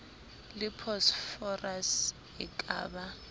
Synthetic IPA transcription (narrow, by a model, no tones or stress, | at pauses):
lɪpʰɔsfɔras | ɛkʼa̰ːba